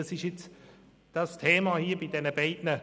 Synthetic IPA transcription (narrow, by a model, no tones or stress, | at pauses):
ɑsɪʃjɪt͡s | d̥astʰeːmahiːbidɛnəbaɪdnə